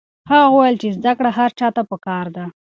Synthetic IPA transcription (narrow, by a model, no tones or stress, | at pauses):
haɣɣwajəlt͡ʃezd̪akɽaɦaɾt͡ʃɑt̪apəkɑɾd̪a